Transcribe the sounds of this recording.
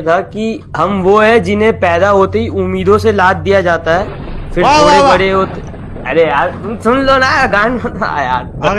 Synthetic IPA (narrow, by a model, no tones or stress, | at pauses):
t̪ʰaki | ɦɐmʋoɦɛd͡ʒɪnɦẽpɛːd̪aɦoːt̪eɦiʊmːiːd̪õselaːt̪̚d̪ijad͡ʒaːt̪aɦɛː | fɪɾt̪ʰoːɽebɐɽeɦoːt̪e | ɐɾeaːɾʊmsʊnlonaːaɡãːnbɐn̰ja̰ːɾ